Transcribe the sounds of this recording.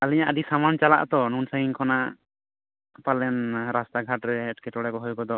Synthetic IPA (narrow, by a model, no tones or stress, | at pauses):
aliɲaʔad̪isamant͡ʃala̰ʔt̪ɔnunsaɦiŋkʰɔnaʔ | palɛnɾast̪aɡʱaʈɾɛːʈkɛʈɔɽɛkɔɦɔjkɔd̪ɔ